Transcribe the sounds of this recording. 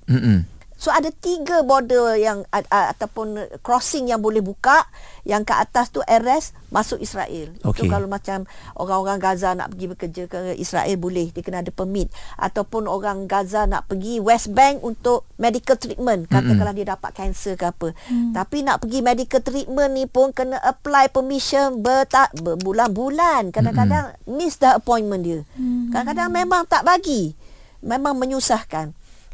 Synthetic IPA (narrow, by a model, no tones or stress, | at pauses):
m̩soadat̪iɡəbodəjaŋa̰t̪apʊnkɾɔsɪŋjaŋbolɛhbukaʔjaŋkəʔa̰t̪ast̪uʔɛɾɛs | mʔasʊkisɾa̰ʔɛlot̪ukalomãt͡ʃamʔo̰ɾaŋoɾaŋɡazana̰ʔpəɡibəkəd͡ʒəkəʔḭsɾa̰ʔɛlbolɛhdiəkənaadəpəmɪ̃t̪̚ʔa̰t̪awpʊnoɾaŋɡazana̰ʔpəɡiwɛsbɛŋkunt̪ʊʔ̚medikəlt̪ɾit̪̚mə̃nkat̪əkaladiədapa̰t̪̚kɛnsəkəapət̪apina̰ʔpəɡimedikəlt̪ɾit̪̚mə̃nːipʊnkənəʔəplajpəmĩʃənbət̪abəbulanbulankadakadaŋmɪsdəəpɔinmə̃ndiəkadakadaŋmẽmãŋt̪aʔbaɡi | mẽmãŋmə̃ɲusahkan